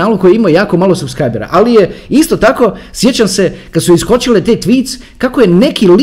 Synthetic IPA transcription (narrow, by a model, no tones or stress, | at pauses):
aːlokojeimojaːko̞malosubskɾajbeɾa̰ʔalijeist̪o̞t̪ako̞sje̞t͡ɕamse̞kad̪suiskot͡ɕilet̪at̪ʋiːt̪s | kako̞je̞ne̞kil